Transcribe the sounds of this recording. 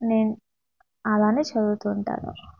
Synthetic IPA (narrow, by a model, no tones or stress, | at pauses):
neːn | ɐlaːneːt͡ʃɐd̪ut̪uːɳʈa̰ːnṵ